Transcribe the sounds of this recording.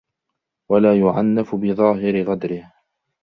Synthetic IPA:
walaːjʊʕanːafʊbɪðˤɑːɦɪɾɪɣad̪ɾɪh

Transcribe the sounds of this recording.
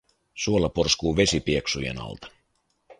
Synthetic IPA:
suolːɑporskuːʋe̞sipieksujḛnɑ̰lt̪ɑ̥

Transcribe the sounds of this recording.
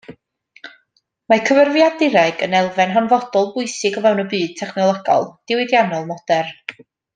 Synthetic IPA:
makʰəvərvjadɪɾɛɡənɛlˠvɛnɦanvɔd̥ɔlˠbʊjsɪɡɔvɛwnəbɨːd̥̚tʰɛχnɔlˠɔɡɔ̰lˠd̥ɪwɪdjanɔlˠmɔd̥ɛr

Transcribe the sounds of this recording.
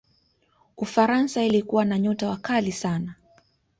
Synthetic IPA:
ufaɾansailikuwanaɲɔtawakalisana

